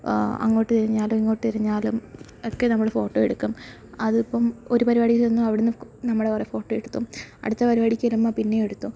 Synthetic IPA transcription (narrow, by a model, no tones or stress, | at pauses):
ɐ̰ŋːo̞ːʈːɨt̪iɾiɲːaːlumiŋːo̞ːʈːɨt̪iɾiɲːaːlum | okːenɐmːuɭfo̞ːʈːoːeɽukːum | ɐðipːɐmo̞ɾupɐɾibaːɽikːɐenːuɐʋiɽenːɨnɐmːuɽe̞kɐrefo̞ːʈːoːeɽut̪ːumɐ̰ɽut̪ːɐpɐɾibaːɽikʲːɐlumːapinːejeɽut̪ːu